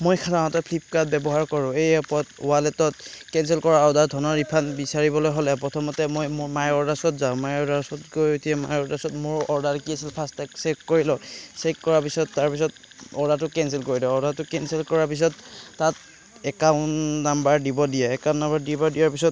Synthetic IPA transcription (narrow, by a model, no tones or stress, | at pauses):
mojkʰataɦɔtɔpʰlip̚kat̚bɛbɔɦaɹkɔɹʊ̃ejapɔtʊwalɛtɔt̚kɛnsɛlkɔɹaɔdadʱɔnɔɹipʰanbisaɹibɔlojɦolɛpɹɔtʰɔmɔtɛmojmʊɹmajɔɹdasɔtzaʊ̃majɔɹdaɹsɔtɡojutʰiɛma̰jɔɹdasɔtmʊɹɔɹdaɹkiasilpʰastɛksekkoɹilɔsekːɔɹapisɔtːaɹpis̬ɔt̚ | ɔɹdatʊkɛns̬ɛlkoɹidɔɔɹdatʊkɛnsɛlkɔɹaɹpis̬ɔtːat | ɛkaʊnnːambaɹdibɔdijɛɛkaʊ̃nːambaɹdibaɹdijaɹpisɔt